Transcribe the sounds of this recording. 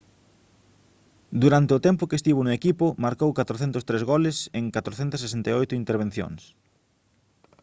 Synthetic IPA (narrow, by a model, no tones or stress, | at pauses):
d̪uɾant̪eʊt̪ɛmpʊkest̪iβ̞onʊekipʊmaɾkowkat̪ɾoθɛnt̪oʊst̪ɾezɣolɪseŋkat̪ɾoθɛnt̪ɐs̬ːesent̪ajojt̪ʊint̪eɾβen̟θjo̰ŋs